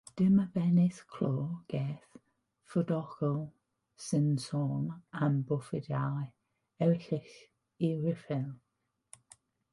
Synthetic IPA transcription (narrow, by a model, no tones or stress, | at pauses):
d̥ɪməbɛnɪskʰloːɡ̥eːθ | fədɔkɔlˠ | sɪnsɔnambʊfɪdja | ɛwɬɪx | iɹɪfɛlˠ